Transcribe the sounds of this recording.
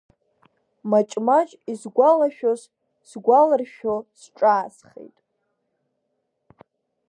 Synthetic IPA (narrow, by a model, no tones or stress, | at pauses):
mat͡ʃʼmat͡ʃʼizɡʷalaʃᶣoz | sɡʷalɨrʃᶣosʈ͡ʂʼaːsχḛjtʼ